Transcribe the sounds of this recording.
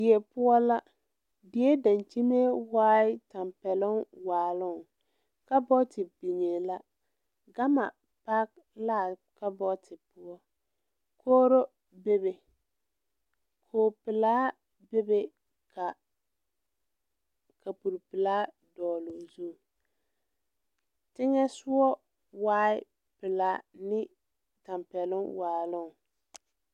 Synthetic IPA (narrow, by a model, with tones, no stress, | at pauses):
ɪ˨e˨pʊ˦ɔ˦la˦ | dɪ˨˦e˦da˨nt͡ʃi˦me˦waː˦ɪ˦ta˨mpɛ˨lʊ˦ŋwaː˨lʊ˦˨ŋ˨ | ka˦bɔ˦tɪ˨bi˨ŋe˨la˦ | ɡa˦ma˨ | pa˦k̚ | laː˦˨ | ka˦bɔ˦tʰɪ˨pʊ˦ɔ˦ | kʰoː˦ɾo˦ | be˦be˨ | kʰoː˨pɪ˨laː˦ | be˦be˦ | ka˨ | ka˨pu˨ɾpɪ˨laː˦ | dɔː˨lo˨zu˦˨ | tɪ˦ŋɛ˦sʊ˦ɔ˦ | waː˦ɪ˦ | pɪ˨la˦nɪ˦ | ta˨mpɛ˨lʊ˦waː˨lʊ˦ŋ˨